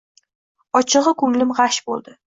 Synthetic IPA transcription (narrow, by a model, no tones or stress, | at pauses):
ɒt͡ʃʰɨʁɨkʊŋlɪmʁɑʃbolˠd̪ɪ